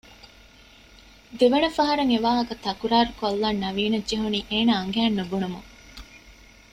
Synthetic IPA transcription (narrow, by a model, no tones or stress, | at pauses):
d̪eʋɐnɐfɐɦɐɾɐŋeʋaːɦɐkɐt̪ɐkuɾaːɾukolːɐnːɐʋiːnɐd͡ʒeɦuniːʔeːnaːɐŋɡæːnːubunumuŋ